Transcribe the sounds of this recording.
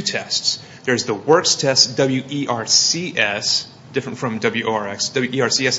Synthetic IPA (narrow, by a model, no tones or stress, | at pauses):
tʰɛsts | ðə˞ɨzðəwɜ˞kstʰɛsd̥ʌbl̩ˠjʉʔiʔɑɹsiʔɛs | d̥ɪfɹɨ̃ntfɹʌ̃mdʌbl̩ˠjʉʔoʊɑɹɛksd̥ʌbljʉʔiɑɹsiɛs